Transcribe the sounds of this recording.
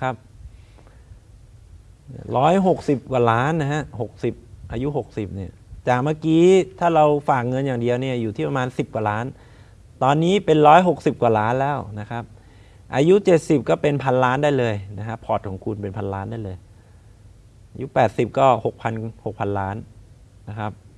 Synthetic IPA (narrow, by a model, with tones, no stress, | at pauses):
kʰa˦˥p̚ | n˩ɾɔː˦˥jɦo˨˩k̚si˨˩p̚kwaː˨˩laː˦˥nːa˦˥ha˦˥ho˨˩k̚si˨˩p̚ʔaː˧ju˦˥ɦo˨˩k̚si˨˩p̚ni˥˩ɐt͡ɕaː˨˩k̚maː˥˩kiː˦˥t̪ʰaː˥˩ɾa˧wfaː˨˩k̚ŋɤ˧njaː˨˩ŋdi˧əwni˥˩ɐjuː˨˩t̪ʰiː˥˩pa˧maː˧nsi˨˩p̚kwa˨˩laː˦˥n | t̪ɔː˧nːiː˦˥pe˧nɾɔː˦˥jɦo˨˩k̚si˨˩p̚kwaː˨˩laː˦˥nlɛː˦˥˩wna˦˥kʰa˦˥p̚ | ʔaː˧ju˦˥t͡ɕe˨˩t̪̚si˨˩p̚kɔː˥˩pe˧npʰa˧nlaː˦˥ndaː˥˩jlɤː˧jna˦˥kʰa˦˥pʰɔː˨˩t̪̚kʰɔː˩˦ŋkʰu˧npe˧npʰa˧nlaː˦˥ndaː˥˩jlɤː˧j | ʔaː˧ju˦˥pɛː˨˩t̪̚si˨˩p̚kɔː˥˩ho˨˩k̚pʰa˧nho˨˩k̚pʰa˧nlaː˦˥n | na˦˥kʰa˦˥p̚